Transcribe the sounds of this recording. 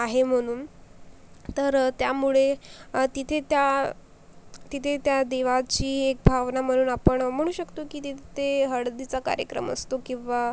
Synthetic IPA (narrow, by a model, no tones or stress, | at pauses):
aɦem̤əɽ̃uːn | t̪əɾt̪jamuɭet̪it̪ʰet̪ja | t̪it̪ʰet̪jad̪eʋat͡ɕiːek̚bʱaʋnam̤əɽ̃uːnapəɳm̤əɽ̃uːɕəkt̪okiːt̪it̪t̪eɦəɽd̪it͡saka̰ɾjə̰kɾə̰mə̰st̪okĩʋa